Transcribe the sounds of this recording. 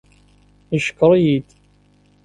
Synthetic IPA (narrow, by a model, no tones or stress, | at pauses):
iʃə̥kːəɾˤjid̪